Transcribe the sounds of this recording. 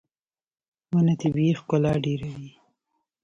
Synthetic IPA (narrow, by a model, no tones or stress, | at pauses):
wənat̪ibixkolɑɖeɾawi